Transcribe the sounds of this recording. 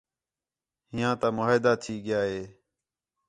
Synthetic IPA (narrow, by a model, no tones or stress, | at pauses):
ɦɪjãːt̪ãːmoːd̪aːt̪ʰiːɠɪjaːɦeː